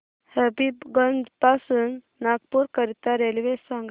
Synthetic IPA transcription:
həbiɡənd̪pasuːnː | aɡpuɾkəɾit̪aɾelʋesãŋɡ

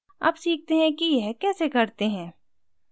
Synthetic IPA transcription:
ɐ̰bsiːk̚t̪eɦɛ̃kijɛɦkɛːsekɐɾt̪eɦɛ̃ː

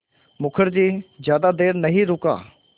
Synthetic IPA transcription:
mʊkʰəɾd͡ʒiːzjaːd̪aːd̪eːɾnəɦĩːɾʊka̰ː

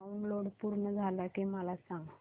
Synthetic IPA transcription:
aunloɽpuɾɳəd͡zʱalakeməlasãŋɡ

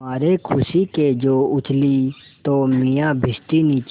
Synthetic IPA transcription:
aːɾeːkʰʊsiːked͡ʒoːʊt͡ʃʰliː | t̪oːmijãːbʱɪsʈ̪iːniːt͡ʃ

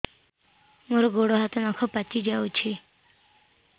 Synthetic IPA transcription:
moɾoɡoɽoɦat̪ʰonɔkʰɔpat͡ʃid͡ʒawt͡ʃʰe

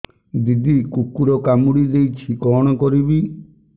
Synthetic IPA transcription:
d̪id̪ikukuɾɔkamuɽid̪ejt͡ʃʰikɔɽ̃ɔkɔɾibi

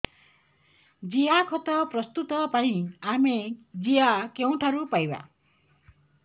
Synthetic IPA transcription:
d͡ʒiakʰɔt̪ɔpɾɔst̪ut̪ɔpaĩamed͡ʒiakeũʈʰaɾupajba̰

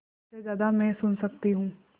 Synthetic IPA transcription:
psezjaːd̪amɛ̃sʊnsɐkt̪iɦũː

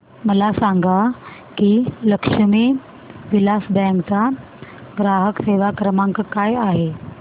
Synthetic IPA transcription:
məlasaŋɡʱakiləkʂəme | ʋilasbɛ̃ŋkt͡sa | ɡɾaɦəkseʋakɾəmãŋkkajaɦe

